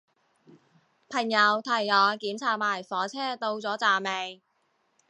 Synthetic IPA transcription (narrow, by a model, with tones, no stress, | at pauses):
pʰɐ˨˩ŋjɐ˨˧wt̪ʰɐ˨˩jːɔː˨˧˥kiː˨˥mt͡sʰaː˨˧t̚maː˨˩jfɔː˨˥t͡sʰɛː˥t̪o˧wt͡sɔː˨˥t͡saː˨me˨˧j